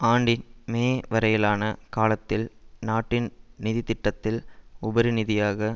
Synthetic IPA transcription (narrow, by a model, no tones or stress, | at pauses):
aːɳɖɪnmeːʋɐɾɐjɪlaːnɐkaːlɐt̪ːɪlnaːʈːɪnnɪðɪt̪ɪʈːɐt̪ːɪlʊbɐɾɯnɪðɪjaːɣɐ